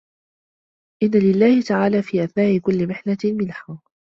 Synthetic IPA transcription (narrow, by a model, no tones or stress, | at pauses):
ʔɪnːalɪlːaːhɪt̪aʕaːlaːfiːʔaθnaːʔɪkʊlːɪmɪħlamɪnħaː